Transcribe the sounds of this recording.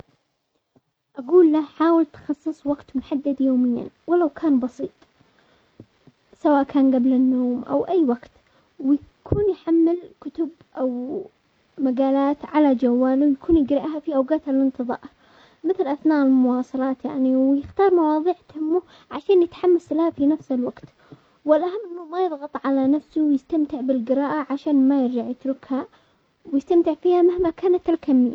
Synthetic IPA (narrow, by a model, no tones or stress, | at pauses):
ʔaɡuːlːaħaːwɪlt̪xɑsˤːɨsˤwaɡt̪mʊħad̪ːad̪joːmɪjːa̰nwɪlawkʰaːnbɑsˤiːt̪ˤ | sawaːʔkʰaːnɡablɪnːoːmʔa̰wʔajːwaɡt̪ | wɪjakʰuːnjħamːɪlkʊt̪ʊb | ʔaw | maɡaːlaːt̪ʕalad͡ʒawːaːlwjakuːnjɪɡɾɪʔɦafiʔawɡaːt̪alɪnt̪ɨðˤɑ̰ːʔ | mɪθlʔaθnaːʔɪlmʊwɑːsˤɑlɑːt̪ja̰ʕniwjɪxt̪ɑːɾˤmɑwɑːðˤiːʕt̪hɪmːʊ | ʕaʃaːnjɪt̪ħamːaslhafinafsɪlwaɡt̪ | wɪlʔaɦamːʔɪnːʊmajɨðˤɣɑt̪ˤʕalanafsʊwjɪst̪amt̪ɪʕbɪlɡɪɾaːʔaʕaʃaːnmajɪɾd͡ʒaʕjɪt̪ɾʊkha | wjɪst̪amt̪ɪʕfiːhamɪhmakaːnat̪alkamːiː